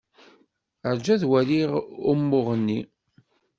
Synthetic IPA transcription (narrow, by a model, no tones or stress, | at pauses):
əɾd͡ʒæðwæɾiʁʊmːʊʁənːi